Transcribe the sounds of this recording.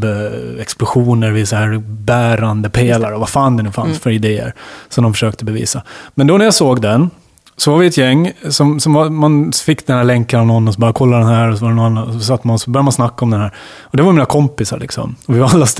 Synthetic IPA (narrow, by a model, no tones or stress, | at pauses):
ɛksplʊɧuːnəɾvɪsaɦæːɾbæːɾand̪əpʰeːlaɾɔvafaːnd̪ɛnʉfansfœɾɪd̪eːə̰ɾsɔmd̪ɔmfœ̥ʂøːk̚t̪əbɛvḭːsamɛnd̪ɔnæɾjɑsoːɡd̪ɛn | sɔvaɾvɪɛt̪jɛŋːsɔmsɔmvamanfɪkːd̪ɛnhæːɾɭɛŋkanavnɔnːɔs̬ɔbœːɾjakʰɔlːad̪ɛnɦæːɾɔsɔvaɾɛnɔnanːanɔsɔs̬at̪ːmanɔsɔbœɾjamansnakːaɔmd̪ɛnhæːɾ | ɔd̪ɛvaɾjmiːnakʰɔmpɪsa̰ɾɭɪ̰ksɔ̰mɔvɪvalːas